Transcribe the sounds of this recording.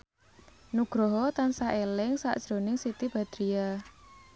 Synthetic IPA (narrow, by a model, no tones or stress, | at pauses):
nuɡ̥ɾɔɦɔt̪ansaʔelɪŋsa̰ʔd̥ʒ̥ɾonɪŋsit̪ib̥a̤d̪̥ɾia